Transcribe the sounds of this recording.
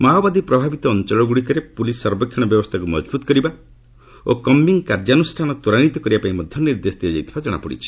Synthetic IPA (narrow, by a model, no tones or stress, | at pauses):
mawbad̪ipɾɔbʱabit̪ɔːnt͡ʃɔɭɔɡuɽikɔɾepulisːɔɾbɔkʰːjɔɽ̃ɔbjɔbɔst̪ʰakumɔd͡ʒbut̪ɔ̥kɔɾiba | okɔmbiŋkaɾd͡ʒanusʈʰanɔt̪uɾañit̪ɔkɔɾibapaĩmɔd̪ʱjɔniɾd̪esɔt̪iad͡ʒajt̪ʰi̥bad͡ʒɔɽ̃a̰pɔɽḭt͡ʃʰi̥